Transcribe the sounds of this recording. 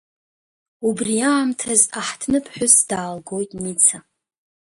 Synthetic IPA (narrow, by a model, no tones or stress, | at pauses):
ubriaːmtʰazaħtʰnɨpʰħʷᶣʊsd̥aːlɡo̞jtʼmit͡sʰa